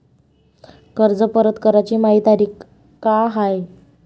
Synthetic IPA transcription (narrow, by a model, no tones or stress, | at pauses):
kəɾd͡zəpəɾət̪kəɾat͡ɕiːmaɦiːt̪aɾiːk | kaɦaj